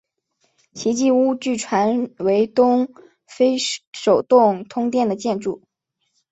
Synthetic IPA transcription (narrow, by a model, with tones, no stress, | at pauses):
t͡ɕʰi˧˥t͡ɕi˥˧u˥t͡ɕy˥˩ʈ͡ʂʰwa˧˥nwe˧˥ɪt̪ʊ˥ŋ | fe˥ɪʂo˨˩ʊt̪ʊ˥˩ŋt̪ʰʊ˥ŋt̪jɛ˥˩nd̪ə˩t͡ɕjɛ˥˧nʈ͡ʂu˥˩